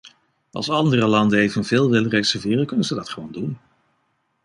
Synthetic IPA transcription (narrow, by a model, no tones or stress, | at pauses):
ʔɑ̰lˠsɑndərəlɑndənejvənvɪːlˠʋɪlˠərɛjksəvɪːrəl̚ˠkɵnənzədɑtχəʋowndun